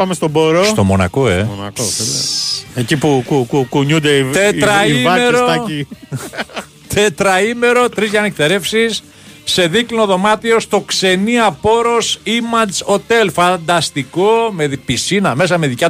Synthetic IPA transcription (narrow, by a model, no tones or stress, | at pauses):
pɐmest̪oboɾost̪o̞mo̞nɐ̰koḛnɐ̰koeleecipukukukuɲund̪eit̪et̪ɾɐivɐmeɾoɐi | t̪et̪ɾɐime̞ɾo̞t̪ɾizʝɐnek̚t̪e̞ɾe̞fsisː | e̞ðiklinoðo̞mɐt̪io̞st̪o̞kse̞niɐpo̞ɾo̞simɐt͡so̞t̪e̞lfɐnd̪ɐst̪iko̞meðipisinɐme̞s̬ɐme̞ðicɐ